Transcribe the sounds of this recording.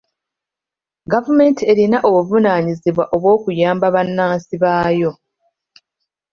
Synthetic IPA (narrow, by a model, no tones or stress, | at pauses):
ɡavume̞ːntʰie̞ɾinaʔoβuvunaɲiziβwaʔo̞βwo̞ːkujaːmbaβanːaːnsiβaːjo̞